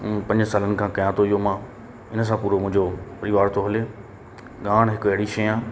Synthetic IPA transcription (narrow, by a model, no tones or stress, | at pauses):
pɐ̃ɲd͡ʑsaːlənɪ̆kʰãːkɐjãt̪ʰoijomãː | ɪns̬ãpuːɾomʊ̃ɦɪ̃ɲd͡ʑopɐɾɪʋaːɾt̪ʰoɦɐle | ɡaːɽ̃ɦɪkɐɦɪɽiʃɐãː